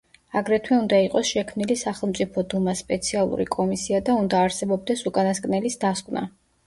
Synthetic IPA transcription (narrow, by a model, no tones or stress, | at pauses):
aɡɾɛt̪ʰwɛund̪aiqʼɔsʃɛkʰmnilisaχɛlˠmt̪sʼipʰɔd̪umaspʼɛt̪sʰialˠṵɾḭkʼɔmisiad̪aund̪aːɾsɛbɔbd̪ɛsukʼanaskʼnɛlisd̪askʼvna̰